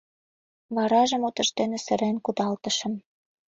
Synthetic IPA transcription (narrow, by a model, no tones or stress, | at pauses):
βɑɾɑʒə̆mot̪ə̆ʃt̪enesə̆ɾenkud̪ɑlt̪ə̆ʃə̆m